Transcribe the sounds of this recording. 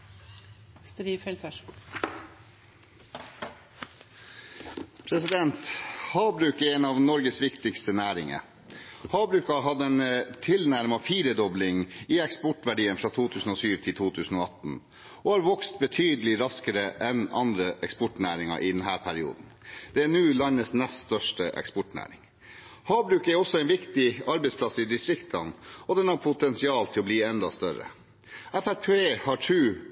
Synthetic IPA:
st̪ɾiːfɛlsæʃ | pʰɾɛsɪd̪ɛnt̪hɑːbɾʉːkɛɾɛːnɑʋnɔɾɡəsʋɪkt̪ɪkst̪ənæːɾɪŋə̰ | hɑːbɾʉːkɑɦɑd̪əɛnt̪ʰɪlnæɾmɑfiːɾəd̪ɔblɪŋiːɛkspɔʈʋæɖiːənfɾɑːt̪ʰuːt̪ʰʉːsn̩oːsyːʋt̪ʰɪlt̪ʰuːt̪ʰʉːsn̩oːɑt̪n̩ | ɔhɑːɾʋɔkst̪̚bət̪ʰyːd̪əlɪɾɑskəɾəʔɛnɑ̰nd̪ɾəʔɛkspɔʈnæːɾɪŋɑ̰ʔɪd̪ɛnɦæːɾpʰæɾɪṵːd̪n̩d̪̥ɛænʉːlɑnəsnɛst̪st̪œʂʈəʔɛ̰kspɔʈnæ̰ːɾɪ̰ŋ | hɑːbɾʉːkæɾɔsːɔæɪnʋɪkt̪ɪɑɾbɛɪtspʰlɑsːɪd̪ɪst̪ɾɪkt̪ʰɑnɔd̪ɛnhɑɾpʰʊt̪ʰɛnsɪɑːlt̪ʰɪlɔbliːɛnd̪ɑst̪œɾə̰ | æfæɾpʰeːhɑʈʰʉː

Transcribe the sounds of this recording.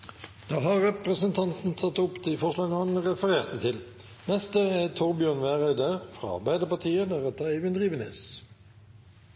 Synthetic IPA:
d̪̥ɑːɦɑʁːɛpɾəsənt̪ʰɑnt̪n̩t̪ʰɑt̪ːʊpd̪ifɔʁʂɭɑːɡnəhɑnʁɛfəʁeːʁt̪ət̪ʰɪl | nɛst̪əæt̪ʰʊʁɾbʏjøːnʋæːʁæɪd̪əʁfʁɑ̰ːɑ̰bæɪd̪əpɑʁt̪ʰiːəd̪æʁɛt̪ʰːəeɪʋənd̪ʁiːʋənḛs

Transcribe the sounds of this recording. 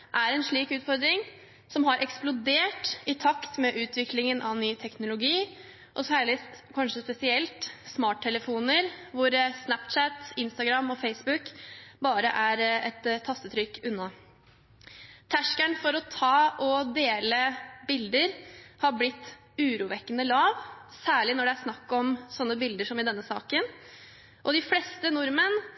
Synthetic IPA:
ʔæɾɛnʂɭiːkʉːt̪fɔɾd̪ɾɪŋ | sɔmɦɑɾʔɛksplʊd̪eːʈɪt̪ʰɑkt̪mɛʔʉːt̪ʰʋɪklɪŋənʔɑʋnyːt̪ʰɛknʊlʊɡiː | ʔɔsæːɭɪkʰɑnʂəspɛsɪɛlt̪smɑːʈʰːɛləfuːnəɾʋʊɾsnæpt͡ʃæt̪ɪnst̪ɑɡɾɑmɔfeɪsbʉkbɑːɾəʔæɾɛt̪ʰːɑst̪ət̪ʰɾʏkːʉnːɑ | t̪ʰæʂkæɳfɔɾɔt̪ʰɑːɔd̪eːləbɪld̪əɾhɑblɪt̪ː | ʉːɾuːʋɛkːənəlɑːʋsæːɭɪnɔɖɛæʂnɑkːɔmsɔnːəbɪld̪əʂɔmɪd̪ɛnːəsɑ̰ːkən | ʔɔd̪ɪflɛst̪ənʊɾmən

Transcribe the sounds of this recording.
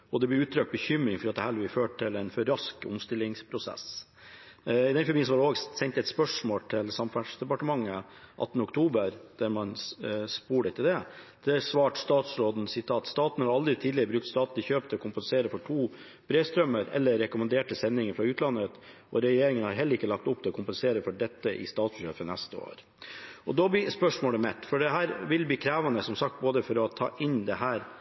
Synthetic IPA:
ɔd̪ɛb̪ɪʉːt̪ʰɾœk̚t̪̚bəçʏmːɾɪŋfɔɾyɑt̪d̪ɛhæːlbɪføːʈʈʰɪlɛnfɔɾɾɑskʊ̰mst̪ɪlːɪŋspʰɾʊsɛ̰s | ɪd̪ɛnfɪmiːəsɔʋɑɖɛoːɡsɛɲt̪ɛt̪spœʂmoːlt̪ʰɪlsɑmfæʈʂd̪ɛpɑʈəmɑŋːə | ʔɑ̰t̪ːnəɔkt̪ʰuːbəɾd̪æɾmɑnspuːɖət̪ʰɪld̪ɛ | d̪̥ɛæsʋɑːʈst̪ɑːt̪sɾoːd̪n̩sɪt̪ʰɑːt̪st̪ɑːt̪n̩hɑɾɑld̪ɾɪt̪ʰiːd̪lɪəɾəbɾʉkt̪st̪ɑːt̪nɪçøːpt̪əɔkʰʊmpənseːɾəfɔʈʰuː | b̥ɾeːst̪ɾœmːəɾɛ̰lːəɾɛkʊmɑnd̪eːʈəsɛnːɪŋəɾfɾɑːʉːt̪lɑnət̪ʔɔɾɛjeːɾɪŋənhɑɾɦɛlːəɾɪkːəlɑkt̪ʊpt̪ɛlɔkʰʊmpənseːɾəfɔɖɛt̪ːəʔɪ̰st̪ɑːt̪sbəɕøːfənɛst̪əo̰ːɾ | ɔd̪ɔb̪ɪspœʂmoːləmɛt̪ːfɔɖɛɦæːɾʋɪlbliːkʰɾæːʋɑnəsɔmsɑk̚t̪̚boːd̪əfɔɾɔt̪ʰɑ̰ːʔɪnd̪ɛɦæːɾ

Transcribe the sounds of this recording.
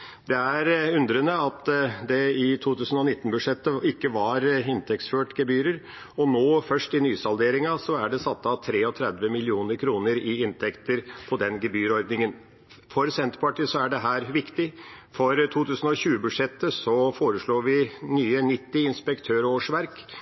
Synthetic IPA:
d̪ɛæɾʉnd̪ɾənəɑt̪d̪ɛɪt̪ʰuːt̪ʉːsən̩ɔnɪt̪ːn̩bʉʂɛt̪ːəɪkːəʋɑɾɪnt̪ʰɛk̚t̪sføːʈɡɛbyːɾəɾ | ɔnoːfœʂʈɪnyːsɑld̪eːɾɪŋɑsɔæɖɛsɑt̪ːəɑt̪ʰɾeːɔt̪ʰɾɛd̪ʋəmɪlɪuːnəɾkʰɾuːnəɾɪɪnt̪ʰɛkt̪əɾpʰɔd̪ɛnɡɛbyːɾɔɾd̪nɪŋən | fɔɾsɛnt̪pʰɑʈɪsɔæɖɛɦæːɾʋɪkt̪ɪfɔɾt̪ʰuːt̪ʉːsən̩ɔçʉːəbʉd̪ʂɛt̪ːəsɔfoːɾəʂɭuːʋɪnyːənɪt̪ːɪɪnspɛkt̪ʰøːɾoːʂʋæɾk

